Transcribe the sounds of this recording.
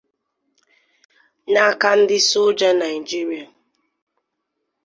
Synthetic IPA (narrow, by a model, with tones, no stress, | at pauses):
na˦˨ka˦n̩˦dɪ˦sʊ˦d͡ʒa˦na˨i˨d͡ʒi˦ɾi˨a˨